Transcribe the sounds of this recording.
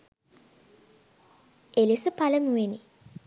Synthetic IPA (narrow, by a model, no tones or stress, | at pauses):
elisəpaləmueni